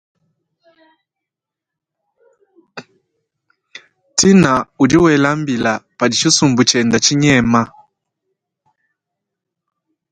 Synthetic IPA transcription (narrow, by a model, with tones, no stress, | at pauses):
ti˦na˨u˨di˦wɛ˨la˦mbi˨la˨pa˨di˨t͡ʃu˦su˨mbu˨t͡ʃɛ˨nda˨t͡ʃi˦ɲɛ˦ma˦